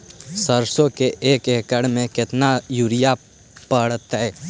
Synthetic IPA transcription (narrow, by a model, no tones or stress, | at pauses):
səɾsõkeʔːkeːkəɽmẽkɪt̪najuɾɪja | pəɽət̪ɦɛː